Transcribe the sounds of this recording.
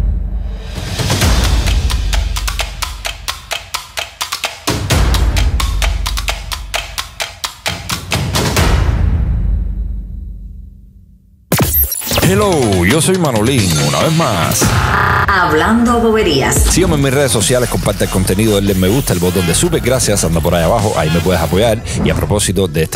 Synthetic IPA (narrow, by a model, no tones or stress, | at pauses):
helowʝo̞so̞jmanoliŋuna̰βezmas | aβland̪oaβoβeɾia̰ssiomemːisre̞ðesːo̞sjale̞sko̞mpaɾt̪aelko̞nt̪e̞niðoðelemːeɣust̪aelβot̪ond̪e̞supeɡɾasjasand̪apo̞ɾajaβaxo̞ʔa̰ime̞pwe̞ð̞esapo̞ʝaɾ | ia̰pɾo̞po̞sit̪o̞ðeest̪